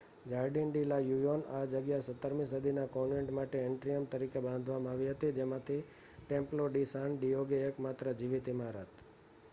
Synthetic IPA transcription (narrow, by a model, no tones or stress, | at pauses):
d͡ʒaɾɖɛnɖilajujonad͡ʒəɡjasət̪ːəɾmĩs̬əd̪ʱinakoneɳʈmaʈeeɳʈɾijəmt̪əɾikebãnd̪ʱʋamãaʋiɦət̪id͡ʒemãt̪ʰi | ʈẽmploɖisanɖijoɡeəkmat̪ɾəd͡ʒiʋit̪imaɾət̪